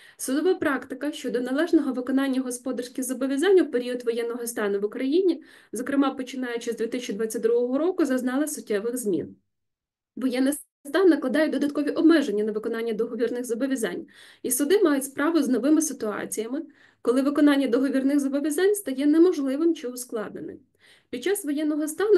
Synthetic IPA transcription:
sʊd̪ɔʋɑpɾɑkt̪ɪkɐʃt͡ʃɔd̪ɔnɐlˠɛʒnɔɦɔʋɪkɔnɑnʲːɐɦɔspɔd̪ɐrsʲkʲɪɣzɐbɔʋʲjɐzɑnʲːɐwpeɾʲiɔd̪ʋɔjɛnːɔɦɔst̪ɑnʊʋʊkɾɐjinʲizɔkɾɪmɑpɔt͡ʃɪnɑjʊt͡ʃɪzd̪ʲit̪ɪsʲt͡ʃʲːid̪ʋɑt͡sʲːɐt̚ʲd̪ɾuɦɔɦɔɾɔkʊzɐznɑlˠɐsʊt̚ʲːɛʋɪxzmʲḭn | ʋɔjɛnːɪs | st̪ɑnːɐklˠɐd̪ɑjʊd̪ɔd̪ɐt̪kɔʋʲiʔɔbmɛʒenʲːɐnɐʋɪkɔnɑnʲːɐd̪ɔɦɔʋʲirnɪɣzɐbɔʋʲjɐzɑ̰nʲ | isʊd̪ɪmɑjʊtʲspɾɑʋʊznɔʋɪmɪsɪt̪ʊɑ̰t͡sʲijɐmɪ | kɔlˠɪʋɪkɔnɑnʲːɐd̪ɔɦɔʋʲirnɪɣzɐbɔʋʲjɐzɑnʲst̪ɐjɛnɛmɔʒlˠɪʋɪmt͡ʃɪʊsklˠɑd̪̚nḛnɪ̰m | pʲid̪̚t͡ʃɑsʋɔjɛnːɔɦɔst̪ɑnʊ

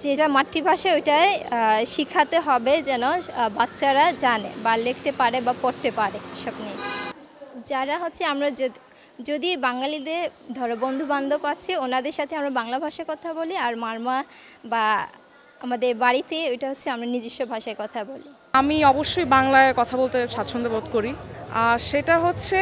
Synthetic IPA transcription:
d͡ʑeʈamaʈːibʱaʃaojʈaeʃikʰːat̪eɦɔbed͡ʑɛnobatːɕʰaɾad͡ʑanḛbalekʰt̪epaɾebapoɾt̪epaɾeeʃɔbni | d͡ʑaɾaɦotːɕʰeamɾa | d͡ʑod̪ibaŋalid̪eɾd̪ʱɔɾobond̪ʱuband̪ʱopaːt͡ɕʰionad̪eɾʃat̪ʰeamɾabaŋlabʱaʃaekɔt̪ʰaboliaɾmaɾma | ba | amad̪eɾbaɽit̪eojʈaɦotːɕʰeamɾanid͡ʑiʃːobʱaʃaeɾkɔt̪ʰaboli | amiɔboʃːojbaŋlaekɔt̪ʰabolt̪eʃat̪ːʃʰond̪obot̪̚koɾiaʃeʈaɦotːɕʰe

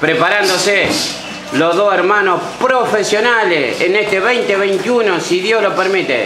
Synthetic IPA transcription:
pɾepaɾand̪ose | loɦðoseɾmãnohpɾofesjonalḛsḛnest̪eβejnt̪eβejnt̪junosiðjoslopeɾmit̪ḛ

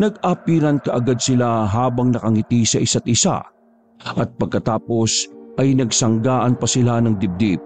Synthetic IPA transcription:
nɐɡ̚apiːɾɐnkɐʔɐɡad̪̚sɪlaɦaːbɐŋnɐkɐŋɪt̪isɐʔɪsat̪̚ʔɪsa̰ | ʔɐt̪̚pɐɡ̚kɐt̪aːpo̞sʔɐjnɐɡsɐŋɡaːʔɐnpɐsɪlanɐŋd̪ɪb̚d̪ip̚

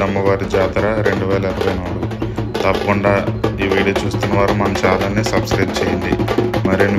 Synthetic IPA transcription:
ɐmːɐʋaːɾid͡ʒaːt̪ɾaɾe̞ɳɖuʋɛːlɐiɾuʋɐjnaːɽut̪ɐpːɐkuɳɖaːiʋiːɽit͡ʃuːst̪unːɐʋaːɾumɐnɐt͡ʃaːlɐnːiːsɐbskɾɐjʈ̚t͡ʃeːjɐnd̪imɐɾin

